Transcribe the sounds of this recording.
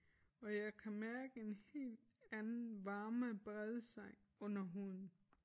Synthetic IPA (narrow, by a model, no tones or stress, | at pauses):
ɒ̽jɑ̈ɪkʰæmæɐɡ̥əe̝nhe̝̰ːld̥ | ænnn̩ʋɑ̈ːməb̥ʁɛð̞ˠsɑ̈ŋ̰ | ɔ̽n̰ɐɦuð̰ˠn̩